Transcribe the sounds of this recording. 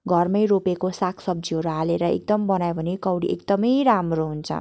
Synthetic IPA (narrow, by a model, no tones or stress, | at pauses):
ɡʱʌrmʌjɾopekosakʰsʌb̚d͡ziɦʌɾualeɾʌḛk̚d̪ʌmbʌnajbʱʌnekʌwɽiʔekd̪ʌmʌjɾamroɦunt͡sʰʌ̰